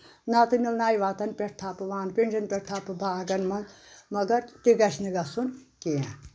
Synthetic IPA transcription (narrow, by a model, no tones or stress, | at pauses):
nat̪ɨnilnaːjʋaːt̪ɐnpʲeʈt̪ʰaːpɨʋaːnpʲiɳd͡ʒɐnpʲeɾ̚t̪ʰaːpɨbaːɡɐnmɐnz | mɐɡɐɾt̪iɡɐʃniɡɐsunkeã